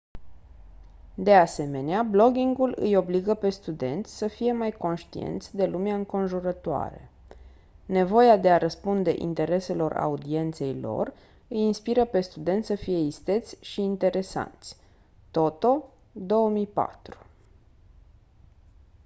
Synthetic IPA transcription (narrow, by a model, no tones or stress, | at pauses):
d̪e̞ase̞me̞neablo̞ɡʲiŋɡulɨ̰jo̞bliɡəpe̞st̪ud̪e̞̰nt̪sʲsəfije̞majko̞nʃt̪iḛnt̪sʲd̪e̞lumeaɨŋko̞nʒuɾət̪oa̰ɾḛ | ne̞vo̞jad̪e̞aɾəspund̪e̞ʔḭnt̪e̞ɾe̞se̞lo̞ra̰ud̪ie̞nt̪se̞jlo̞̰r | ɨjinspiɾəpe̞st̪ud̪e̞nt̪ʲsəfije̞ist̪e̞t̪sʲʃiːnt̪e̞ɾe̞sa̰nt̪sʲ | t̪o̞t̪o̞ | d̪o̞əmijpa̰t̪ɾu̥